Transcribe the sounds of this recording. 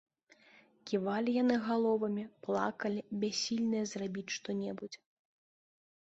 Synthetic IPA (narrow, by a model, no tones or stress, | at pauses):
kʲivalʲijanɨɣalˠɔvɐmʲiplˠa̰kɐlʲibʲasʲːilʲnɨjɐzrabʲit͡sʲʂt̪ɔnʲɛbud͡zʲ